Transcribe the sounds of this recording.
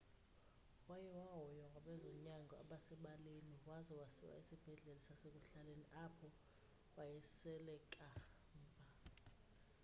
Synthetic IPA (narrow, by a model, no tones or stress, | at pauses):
wajɛwaɦɔjɔŋɡʱaɓɛzɔɲaŋɡʱɔa̰ɓasɛɓaleniwazɔwasiwa̰isib̥ʱɛɮɛlisasek̬ʼuɬaleniʔapʰɔ | wajɛsɛlɛkʼa | mːbʱa